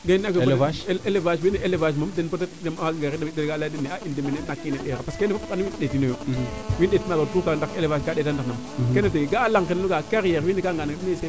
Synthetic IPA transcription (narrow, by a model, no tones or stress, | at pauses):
ɡainakeaʃelevaʃwineʔelevaʃ̬mamdenpotetdemamaɡɡaɾidemdeɾɡaladenːeaʔindemenenakːineɗeɾapaskenefapkanwiɗetinojowindetinalotukandakelevaʃɡadetandanam | keneteɡaːlaŋkenluɡakaɾijeɾwinikaŋɡanaɡdiese